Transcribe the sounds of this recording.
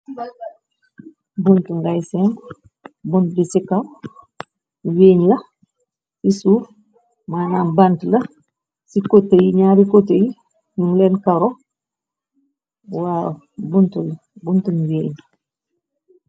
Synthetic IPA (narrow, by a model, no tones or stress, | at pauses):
buntuŋɡajsem | buntdisikaw | weːɲlɐ | sisuːɾ | manaːnbantlɐ | sikotːejiɲaːɾikotːeji | ɲuŋlenkaɾo | wa | buntul | buntunweːɲ